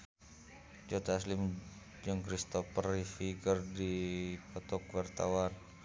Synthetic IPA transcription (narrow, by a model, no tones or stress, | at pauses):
d͡ʒot̪aːslɪm | d͡ʒaŋkɾist̪ɔfərifiɡərdipɔt̪ɔk̚wart̪awan